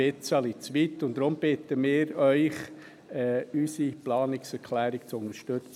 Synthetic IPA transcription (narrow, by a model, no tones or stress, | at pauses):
ɪt͡sɑlit͡sʋit̪ːʊnd̪ɾʊmb̥ɪt̪əmɪːɾœʏχ | ɛːysiplɑːnɪksɛɾkʰlæːɾɪkt͡sʊnəɾʃtøt͡s